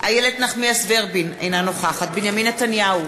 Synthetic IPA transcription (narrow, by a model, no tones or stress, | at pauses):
ajeled̪naχmiasveʁbinḛjnanoχaχat̪̚binjaminːet̪anjau